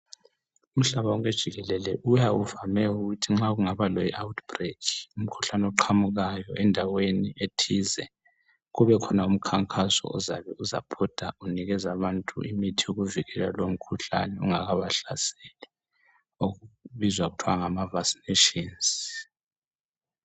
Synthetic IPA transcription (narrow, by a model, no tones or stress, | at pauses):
um̩ɬaβauɣed̥ʒ̥ʱiɣɛlɛlɛʔujauvamɛuɣutʰiŋ͡ǁaɣuŋaβalɔjiʔawutʰb̥rekʰi̥um̩kʰu̥ɬanɛɔǃʰamuɣajɔʔɛndʱawenietʰizɛ | ɣuβɛkʰɔnaum̩kʰaŋkʰʼasɔ̰ɔzaβɛuza̰pʰɔd̥ʱauniɣɛzaβantʼṵʔḭmitʰijoɣuviɣɛla̰lom̩kʰuɬa̰nɛuŋaɣaβaɬasɛlɛ | oɣuβizwaɣutʰwaŋamavaksi̥neʃinz